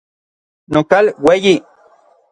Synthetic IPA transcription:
nokalweji

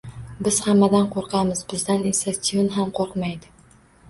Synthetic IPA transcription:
bɪz̥hamːad̪anqʰoɾqʰɑmɪzbɪzd̪aninst̪asionɦamqʰoɾqmajd̪ɪ

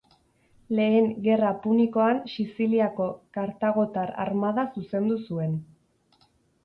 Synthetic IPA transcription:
le̞ːŋɡe̞rapuniko̞ansisiliako̞kaɾt̪aɣ̞o̞t̪aɾa̰ɾmaðasuse̞nd̪usue̞n

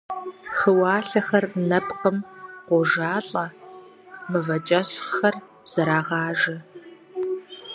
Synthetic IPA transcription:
xəwɑːɬɐxɐrnɐpqəmqʷɔʒaːɬʼɐ | mɨvɐt͡ʃʼɐɕxɐr | z̥ɐɾaːʁɑːʒɐ

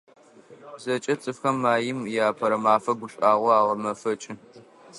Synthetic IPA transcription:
bzɐt͡ʃʼɐt͡sʼɨfxɐmːaːjɪmjaːpʰɐɾɐmaːfɐɡʷʊɕʼaːʁʷɔaːʁɐmɐfɐt͡ʃʼɪ

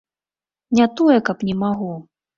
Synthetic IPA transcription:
nʲat̪ɔjɛkɐpnʲɛmaɣu

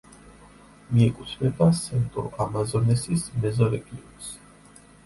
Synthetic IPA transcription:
miɛkʼut̪ʰvɛbasɛnt̪ʼɔ̰ʔamazɔnɛsismɛzɔɾɛɡʼiɔns

